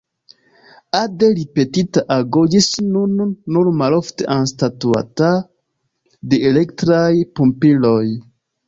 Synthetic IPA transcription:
adelipe̞titaʔaɡod͡ʒisnunːuɾmalofte̞̰ʔanstatua̰ta | deelektɾajpumpilo̞j

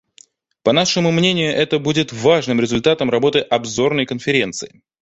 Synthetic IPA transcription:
pɐnaʂɨmʊmnʲenʲɪjʊʔɛt̪əbudʲɪt̪vaʐnɨmɾʲɪzʊlʲt̪at̪əmrɐbo̞t̪ɨʔɐbzo̞rnəjkənfʲɪɾʲe̞nt̪sɨɪ

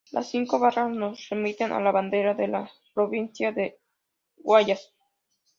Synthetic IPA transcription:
lʔa̰sːiŋko̞βarasnosre̞mit̪enʔa̰laβand̪e̞ɾaðe̞la | pɾo̞βinsjaðe | ɣwaʝas

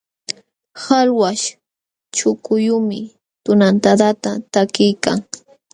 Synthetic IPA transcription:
halwaʃ | t͡ʃʊkʊjʊmɪ | t̪ʊnant̪ad̪at̪at̪akɪjkaŋ

